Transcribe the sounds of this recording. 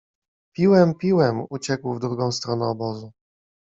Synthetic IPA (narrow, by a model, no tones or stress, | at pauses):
pʲiwɛmpʲiwɛmut͡ɕɛkwvd̪ɾuɡɔ̃w̃st̪ɾɔnɛɔbɔzu